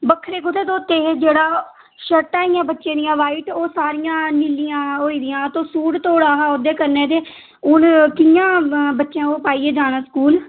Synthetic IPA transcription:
bəkʰːɾeːkʊt̪eːt̪õːt̪eːd͡ʒeːɽaː | ʃəʈːaːijãːbətːʃẽːd̪ɪijãːʋaːiːʈoːsaːɾɪjãːniːlɪjãːɦoːiːd̪ɪjãːt̪õːsuːɽt̪oːɽaːɦaːod̪eːkəɾnẽːt̪eː | ʊnkɪjãːbətːʃãːoːpaːiːeːd͡ʒaːnaːskuːl

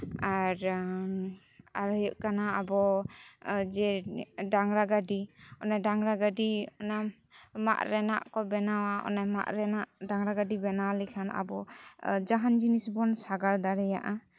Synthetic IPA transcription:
aɾ | aɾɔjɔʔkanaːbɔ | d͡ʒɛɖaŋɾaɡaɖiɔnaɖaŋɾaɡaɖiɔna | ma̰ʔɾɛna̰ʔkɔbɛnawaɔ̰nama̰ʔɾɛnaʔɖaŋɾaɡaɖibɛnawalɛkʰana̰bɔd͡ʒaɦand͡ʒinisbɔnsaɡaɾd̪aɾɛja̰ʔa

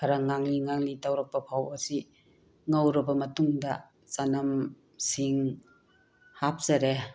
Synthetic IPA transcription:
kʰaɾaŋaŋliŋaŋlitawɾak̚papʰawasi | ŋawɾɐbɐmɐtuŋda | sanam | siŋ | hap̚zaɾe

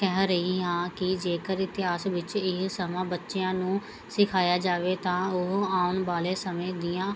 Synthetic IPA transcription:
kɛɦɾəɦiːɦãːkɪd͡ʒeːkəɾɪt̪ɪɦaːsʋɪt͡ʃɪsəmãːbətːʃeãːnũː | sɪkʰaːjaːd͡ʒaːʋeːt̪ãːʊɦaːʊnʋaːleːsəmẽːd̪ɪjãː

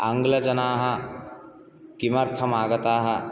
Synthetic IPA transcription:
ɐŋɡlɐd͡ʒɐnaːɦɐ̆ | kimɐɾt̪ʰɐmaːɡɐt̪aːɦɐ

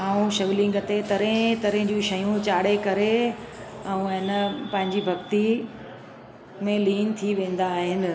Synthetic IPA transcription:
aːũʃɐʋlɪ̃ŋɡət̪et̪ɐɾẽt̪ɐɾẽɪ̃d͡ʑũʃɐjũt͡ɕaːɽekɐɾe | ɛ̃ũɪnəpɐ̃ɦɪ̃ɲd͡ʑibʱɐɡt̪i | mẽliːnt̪ʰiʋẽːn̆d̪aːɦɪnɪ̆

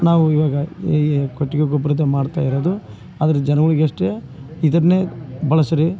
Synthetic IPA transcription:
naːʋuiʋaːɡɐ | koʈːiɡeɡobɾɐt̪ɐmaːɖt̪aːjiɾoːd̪u | a̰ːd̪ɐɾed͡ʒɛnɐɡɐɭiɡeɐʂʈe | id̪ɐɾɐneːbɐɭɐsɐɾi

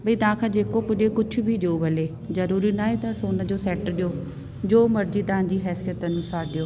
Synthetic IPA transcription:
bɐit̪ɐʋ̤ãːkʰãːd͡ʑeːkopʊɗekʊd͡ʑʱʰʊ̆bʱiɗeubʱɐleː | zɐɾuːɾinaːɦet̪ɐsoːnəd͡ʑoːsɛːʈɗɪjo | d͡ʑoːmɐɾd͡ʑit̪ɐʋ̤ãːd͡ʑiɦɛːsijət̪ɐnʊ̃saːɾɗɪjoː

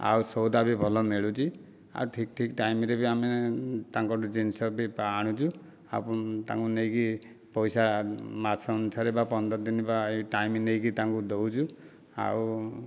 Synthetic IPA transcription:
a̰wsɔwd̪abibʱɔlɔmeɭut͡ʃʰi | a̰uʈʰikʈʰikʈajmiɾebiamit̪aŋkɔʈud͡ʒinsɔbipaːɽ̃ut͡ʃʰu | a̰put̪ã̰ŋkunejki | pɔjsamat͡ʃʰɔɔnusaɾebapɔnd̪ɔd̪inibaeʈajminejkit̪aŋkud̪owt͡ʃʰu | a̰w

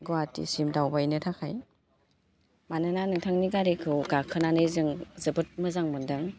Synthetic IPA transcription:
ɡɔatḭsimdawbajnɯtʰakʰaj | manɯnanɯŋtʰaŋniɡaɾikʰɯwɡakʰɯnanɯjzɯŋzɯbɯt̚mɯzaŋmɯndɯŋ

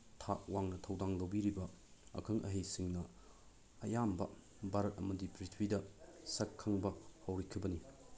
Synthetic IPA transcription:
tʰaʔwaŋnɐtʰɐwdaŋlɐwbiɾibɐ | ɐ̰kʰɐŋʔɐ̰ɦejsiŋnɐ | ɐjambɐ | baɾɐt̚ɐ̰mɐdipɾitʰwidɐsɐkʰːɐŋbɐhɐwɾikʰibɐni

